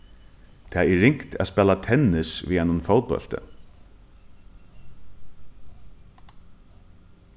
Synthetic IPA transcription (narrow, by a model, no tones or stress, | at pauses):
t̪ʰaːɛːɪŋkt̪ʰɛ̰spɛːlat̪ʰɛnɪsvḭhanʊnfoːlt̪̚pœ̰l̥t̪ə̰